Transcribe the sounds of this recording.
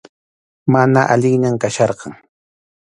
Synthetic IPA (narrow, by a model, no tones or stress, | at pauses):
manaʔaʎɪŋɲamkaʃɑɾqɑŋ